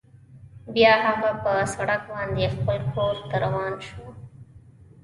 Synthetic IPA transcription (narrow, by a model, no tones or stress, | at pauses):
bjɑɦaɣapəsaɽak̚bɑnd̪expəlkʰoɾt̪aɾawɑnʃu